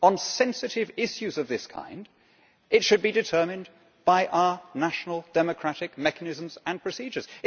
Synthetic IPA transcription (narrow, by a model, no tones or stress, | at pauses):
ə̃nsɛ̃nsɨɾɪvɪʃʉzʌvðɪskʰã̰ɪ̃nd | ɨtʃɨd̚bidɨtʰɜ˞mɨ̃n | b̥aɪʔaʊə˞næʃn̩l̩ˠd̥ɛmɨkʰɹ̥æɾɪkmɛkənɪzə̃m̩zə̃npʰɹ̥ɨsid͡ʒə˞z̥